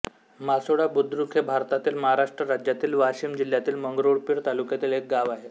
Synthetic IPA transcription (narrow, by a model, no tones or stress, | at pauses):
masoɽabud̪ʱɾukʰebʱaɾt̪at̪iːlməɦaɾaʂʈɾəɾad͡ʑjat̪iːlʋaɕiːmd͡ʑil̤jat̪iːlməŋɡɾoɽpiːɾt̪alukjat̪iːlek̚ɡaʋaɦe